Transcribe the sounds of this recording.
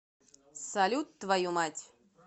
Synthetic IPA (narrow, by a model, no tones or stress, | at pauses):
salʲut̪ːvajumatʲ